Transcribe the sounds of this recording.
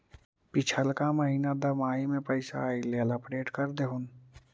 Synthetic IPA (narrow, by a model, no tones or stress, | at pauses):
pɪt͡ʃʰəlkaməɦiːnad̪ɐmaːimẽpəɪsa̰ileləpɾeːʈkəɾd̪eɦʊn